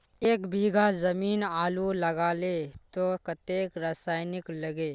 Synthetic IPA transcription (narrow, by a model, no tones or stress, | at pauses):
eːkbʱiɡazɐmiːnaːlulɐɡaːlet̪okɐt̪eːkɾasaːjnɪkləɡeː